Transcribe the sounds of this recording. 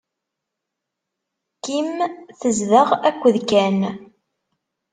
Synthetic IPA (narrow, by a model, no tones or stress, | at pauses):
kimθəzðəʁækʷːəðkæn